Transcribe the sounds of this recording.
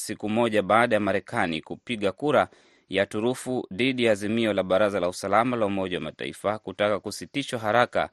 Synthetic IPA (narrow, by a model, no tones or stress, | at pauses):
sikumɔʄaɓaːɗajamaɾɛkʰanikupiɠakuɾa | jatuɾufuðiɗijaːzimiɔlaɓaɾazalausalamalaumɔʄawa̰mata̰ḭfakutakakusitiʃwaɦaɾaka̰